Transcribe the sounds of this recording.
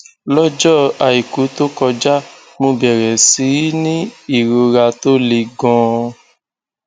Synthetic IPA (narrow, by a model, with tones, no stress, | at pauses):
lɔ˦d͡ʒɔ˦˨a˨i˨ku˨˦to˦kɔ˧d͡ʒa˦ | mõ˧bɛ˨ɾɛ˨si˨˦nĩ˦i˦˨ɾo˧ɾa˧to˦le˧ɡɔ̃˧